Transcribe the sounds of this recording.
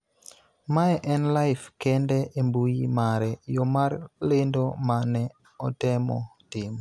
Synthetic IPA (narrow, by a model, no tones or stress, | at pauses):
maɛʔɛnlajfkɛndɛʔembujimaɾɛjɔmarlendomanɛ | ɔtɛmɔ̰tɪm